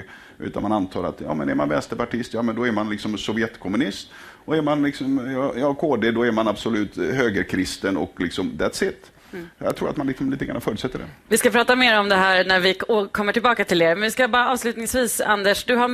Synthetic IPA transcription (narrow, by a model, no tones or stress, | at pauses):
ʔʉ̰ːt̪anmanant̪ʰɑ̰ːɾa̰t̪jɑ̰ːmɛnɛɾmanvɛnst̪əɾpaʈʰɪst̪jɑːmɛnd̪ɔɛɾmanlɪksɔmsɔvjɛt̪kʰɔmɵnɪst̪ | ɔɛɾmanlɪksɔmjɑjɑːkʰoːd̪eːd̪ɔɛɾmanabsɔlʉ̟ːt̪ɦøːɡəɾkʰɾɪst̪ənɔ̰klɪksɔmd̪ɛt̪sɪt̪ː | ja̰t̪ʰɾuːɾat̪manlɪksɔmliːt̪əɡa̰nːa̰fœːɾət̪sɛt̪ːəɖɛ̰vɪskapʰɾɑːt̪ameːɾɔmd̪ɛɦæːɾnæɾvɪkʰɔmːəʈʰɪlbɑːkat̪ʰɪleːɾmɛnvɪskabɑːɾaɑːvslʉ̟ːt̪nɪŋsviːsa̰nd̪əʂd̪ɵɦa